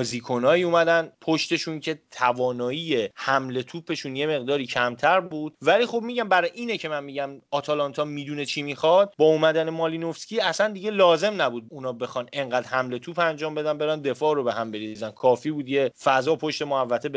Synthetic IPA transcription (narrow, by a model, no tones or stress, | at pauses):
ziːkʰo̞nɒːiuːmæd̪ænpʰoʃt̪e̞ʃuncʰe̞t̪ʰævɒːnɒːijehæmle̞t̪ʰuːpʰe̞ʃuːnje̞me̞ɣd̪ɒːɾiːcʰæmt̪ʰæɾbuːd̪̥̚vælixo̞bmiɟæmbæɾɒjʔiːnecʰe̞mænmiɟæmɒːt̪ʰɒlɒnt̪ʰɒmid̪unet͡ʃʰimixɒd̪̥̚bɒːumæd̪ænemɒːlinofscʲiːæsænd̪iɟe̞lɒːze̞mnæbud̪̚unɒːbe̞xɒne̞ŋɢæːd̪hæmle̞t̪ʰuːpʰænd͡ʒɒːmbe̞d̪ænbe̞ɾænd̪e̞fɒːɾo̞be̞ɦæmbe̞ɾizænkʰɒːfibuːd̪je̞fæzɒːpʰo̞ʃt̪e̞moævːæt̪ʰe̞b